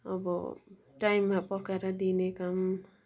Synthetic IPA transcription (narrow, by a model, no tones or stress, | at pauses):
ʌ̰bʌ̰ | ʈaimːapʌkaɾʌd̪inekam